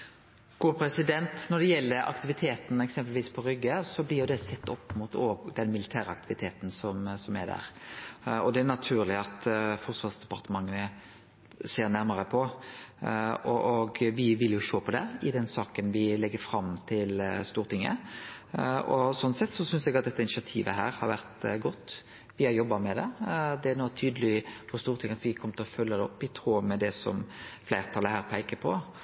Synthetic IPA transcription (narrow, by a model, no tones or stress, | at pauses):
ɡ̥uːpʰɾɛsɪd̪ɛnt̪nɔɾd̪ɛjɛlːəɾɑ̰kt̪ɪʋɪt̪ʰeːt̪n̩ɛksɛmpəlʋiːspʰɔɾʏɡːəsɔblɪɾjʊd̪ɛsɛt̪ːɔpːmʊt̪oːɡd̪ɛnmɪlɪt̪ʰæːɾəɑ̰k̚t̪ɪʋɪt̪ʰeːt̪n̩sɔmsɔmæd̪æ̰ːɾ | ɔd̪ɛæɾnɑt̪ʰʉːɾlɪɑt̪fɔɾt̪sʋɑʁsd̪ɛpɑɾt̪əmɑŋːənə | seːɾnæɾməʁəpʰɔ | ɔʔɔɡʋɪʋɪljʊʃoːpʰɔd̪ɛɪd̪ɛnsɑːkənʋɪlɛɡːəɾfɾɑmt̪ʰɪlst̪uːɾt̪ɪŋːə̰ | ɔsɔnːsɛt̪ːsɔsʏnsɛɡɑt̪̚d̪ɛt̪ːəɪnɪsɑt̪ʰiːʋəɦæːɾhɑɾʋæɾʁt̪ɡɔt̪ː | ʋɪhɑɾjɔbːɑmɛd̪ɛd̪ɛæɾnɔt̪ʰyːd̪əlɪfɔst̪uːɾt̪ʰɪŋːɑt̪ʋɪkʰɔmːət̪ɪlɔfœlːəd̪ɛɔpːɪt̪ʰɾuːmɛd̪ɛsɔ̰mfleɪɾt̪ʰɑlːəhæːɾpʰæɪkəpʰɔ